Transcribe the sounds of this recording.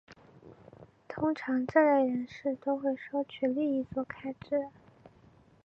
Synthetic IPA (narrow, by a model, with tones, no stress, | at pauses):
t̪ʰʊ˥ŋʈ͡ʂʰɑ˧˥ŋʈ͡ʂə˥˩la˥˩ɪɻə˧˥nʂɻ̩˥˩t̪o˥ʊxwe˥˩ɪʂo˥ʊt͡ɕʰy˥˩li˥˧i˧˥˩t͡swɔ˥˩kʰa˥ɪʈ͡ʂɻ̩˥˩